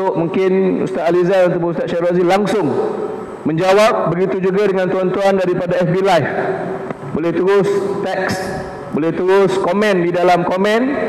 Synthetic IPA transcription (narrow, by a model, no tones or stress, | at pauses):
ʊʔmuŋkɪnṵst̪at̪alizaɾunt̪upuust̪at̪̚ʃaɾazilaŋsʊŋ | mə̃ɲd͡ʒawap̚bəɡit̪ud͡ʒuɡadəŋãnt̪uant̪uandaɾipadaɛfbilajf | bolɛht̪uɾʊst̪ɛks | bolɛht̪uɾʊskomɛ̃ndidalamkomɛ̃n